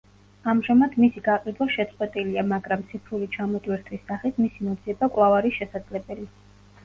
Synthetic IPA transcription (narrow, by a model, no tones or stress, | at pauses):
amʒamad̪̥misiɡaqʼid̪waʃɛt̪sʼqʼwɛt̪ʼiliamaɡɾamt̪sʰipʰɾulit͡ʃʰamɔt̪ʼwiɾt̪ʰwisːaχit̪ʰmisimɔd̪ziɛbakʼlˠavaɾiʃɛsad̪zlɛbɛli